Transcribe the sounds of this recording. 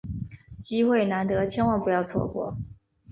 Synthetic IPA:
t͡ɕi˥xwe˥˩ɪna˧˥nt̪ɤ˧˥t͡ɕʰjɛ˥nwɑ˥˩ŋpu˧˥jɑ˥˧ʊt͡sʰwɔ̰˥˩kwɔ̰˥˩

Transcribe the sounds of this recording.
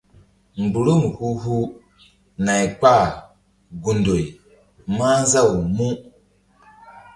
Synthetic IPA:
m̩˨bu˨ɾu˦mu˨hu˦ɦu˦ | na˨jk͡pa˦˨ | ɡu˨ndo˨i˨ | ma˦za˦˨wu˨mu˦

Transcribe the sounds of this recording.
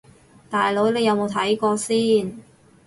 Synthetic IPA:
t̪aː˨jlo˨˥wle˨˧jɐ˨˧wmo˨˧wt̪ʰɐ˨˥jkɔː˧siː˥n

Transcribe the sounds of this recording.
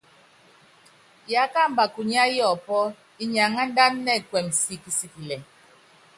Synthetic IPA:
ja˨˦ka˦˨m˨ba˨ku˨ɲ˦a˦jɔ˨pɔ˦ | i˦ɲa˨ŋa˦n˦da˦nːɛ˦˨kwɛ˨msi˦ki˨si˦tlɛ˨

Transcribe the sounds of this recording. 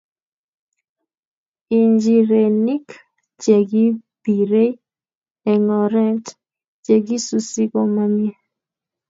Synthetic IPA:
i˨ɲd͡ʒi˨ɾe˨ni˦k | t͡ʃe˨ɡi˦bi˨ɾe˦ | ɛ˨ŋɔ˨ɾɛ˦nt | t͡ʃe˨ɡi˦su˨si˦kɔ˨ma˦mɪ˦ɛ˦

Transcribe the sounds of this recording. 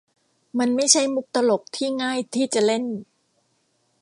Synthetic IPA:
ma˧nma˥˩jt͡ɕʰa˥˩jmu˦˥k̚t̪a˧lo˨˩k̚t̪ʰiː˥˩ŋaː˥˩jt̪ʰiː˥˩t͡ɕa˨˩le˥˩n

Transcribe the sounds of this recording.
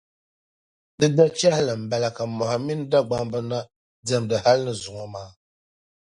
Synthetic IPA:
dɨ˦da˦t͡ʃɛ˦hɪ˦lɨ˨m̩˨ba˨la˨ka˨mɔ˨ha˨mi˦n˦da˦ɡ͡ba˦mbɨ˦na˦ | dɛ˨mdɨ˨ha˦lnɨ˨zʊ˨ŋɔ˨maː˦

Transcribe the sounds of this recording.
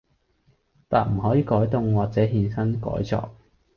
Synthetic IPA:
t̪a̰ː˨˩nm̩˨˩ɦɔː˨˥jiː˨˧kɔː˨˥jt̪ʊ˧ŋwaː˨k̚t͡sɛː˨˥ɦiː˧nsɐ˥nkɔ̰ː˨˥jt͡sɔ̰ː˧k̚

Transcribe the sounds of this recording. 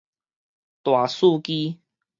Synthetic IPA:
t̪wa˨˩su˥˧ki˦

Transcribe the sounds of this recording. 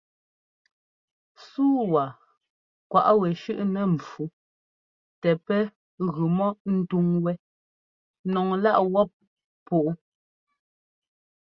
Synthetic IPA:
suː˦wa˨ | kwa˨ʔwɛ˨ʃʉ˦ʔnɛ˨m˨fu˨˦ | tɛ˨pɛ˦ | ɣʉ˨mɔ˦n̩˦tu˦ŋwɛ˦ | nɔ˨ŋla˦ʔwɔ˦p̚ | pu˨ʔu˦

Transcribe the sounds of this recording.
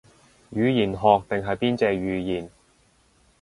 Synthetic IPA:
jyː˨˧jiː˨˩nɦɔː˨˧k̚t̪ɪ˨ŋɦɐ˨jpiː˥nt͡sɛː˧ɥyː˨˧jiː˨˩n

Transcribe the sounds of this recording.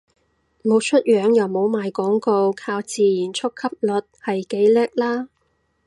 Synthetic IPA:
mo˨˧wt͡ʃʰɵ˥t̚jœː˨˧˥ŋjɐ˨wmo˨˧wmaː˨jkɔː˨˥ŋko˧wkʰaː˧wt͡siː˨jiː˨˩nt͡ʃʰʊ˥kʰːɐ˥p̚lɵ˨t̚hɐ˨jke˨˥jlɛ˥k̚laː˥

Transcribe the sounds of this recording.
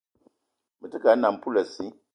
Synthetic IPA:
mɨ˨˦tɨ˦ka˨˦na˨m˦pu˦lɐ˨si˦

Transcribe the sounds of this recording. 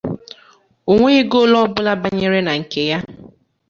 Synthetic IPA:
o˨ŋʷe˦ɣɪ˦ɡo˦lɔ˦bʊ˦la˦ba˦ɲe˦ɾe˦na˨ŋ̩˨ke˨ja˦

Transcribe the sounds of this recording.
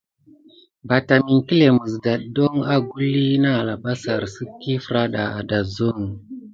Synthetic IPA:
ba˨ta˨mi˨ŋki˦le˨mə˨sda˨ɗdo˦ŋa˦ɡu˦lːi˦na˦˨la˨ba˦sa˨ɾsɨ˦kːi˦fɾa˦ɗa˨a̰˨da˨zo˦ŋ˨

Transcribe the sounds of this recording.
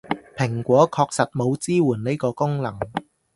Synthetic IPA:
pʰɪ˨˩ŋkʷɔː˨˥kʰɔː˧k̚sɐ˨t̚mo˨˧wt͡siː˥wuː˨˩nne˥jkɔː˧kʊ˥ŋlɐ˨˩ŋ

